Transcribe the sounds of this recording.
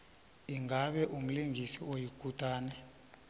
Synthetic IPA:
iŋaɓɛʔum̩liŋɡʱisiojikʼutʼaːnɛ

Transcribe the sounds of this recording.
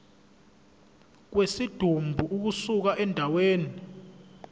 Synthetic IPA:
k̬wesid̥ʱumbʱuʔuk̬usuk̬aʔɛndʱaweːni

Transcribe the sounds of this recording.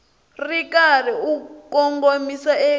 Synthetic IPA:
rikʼariukʼɔŋɡomisae

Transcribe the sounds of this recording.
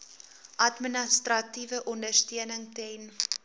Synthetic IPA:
ʔɐtmənəstrɐtivəʔɔndərstiənəŋtɛn

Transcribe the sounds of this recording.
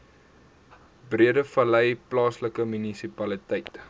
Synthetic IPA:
briədəfɐlɛjplɑːsləkəmynisipɐlitɛjt

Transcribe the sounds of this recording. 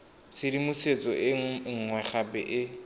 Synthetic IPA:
t͡sʰɪɾimuset͡sʼɔʔɪŋ̩ŋwɛχapɛ̰ʔɪ

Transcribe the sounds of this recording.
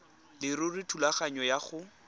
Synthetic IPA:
lɪrʊrɪtʰulaχaɲɔjaχʊ

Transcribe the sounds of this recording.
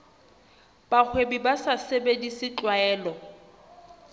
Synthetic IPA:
b̥ak͡xʰwebibasasebedisɪt͡ɬʼwaɛːlɔ

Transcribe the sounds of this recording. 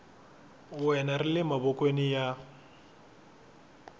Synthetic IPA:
wɛnarɪlɪmabɔkʼwenija

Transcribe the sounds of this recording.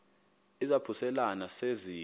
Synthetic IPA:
izapʰusɛlanasezi

